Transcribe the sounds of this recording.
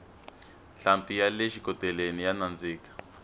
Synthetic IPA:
ɬampijaleʃikɔtɛlenijanand͡ziːkḁ

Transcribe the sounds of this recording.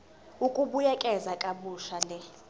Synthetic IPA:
ukʼuɓujɛkʼɛzakʼaɓuʃalɛ

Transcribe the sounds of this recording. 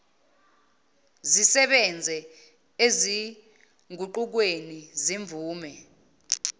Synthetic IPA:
zisɛɓɛnd͡zʱɛ | ezi | ŋʱuǃuk̬weniziɱvuːmɛ

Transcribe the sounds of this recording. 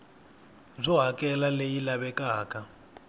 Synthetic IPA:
b͡ʐɔɦakʼɛlalejilaβɛkʼaːka

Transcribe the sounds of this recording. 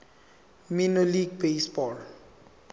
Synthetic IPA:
minoliɡ̚besbɔl

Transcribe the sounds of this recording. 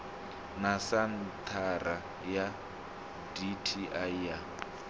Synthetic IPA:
nasant̪ʰara | ja | ditʰiʔaia

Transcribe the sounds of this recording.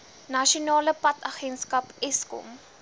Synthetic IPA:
nɐʃionɑːləpɐtɐχɛnskɐpɛskɔ̰m

